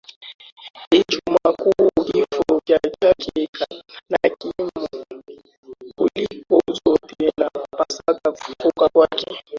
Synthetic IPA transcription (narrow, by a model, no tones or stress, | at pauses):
it͡ʃumakuvifɔvjat͡ʃakɛknakimu | kulikɔzɔtɛnapasakavfɔkakwakʰɛ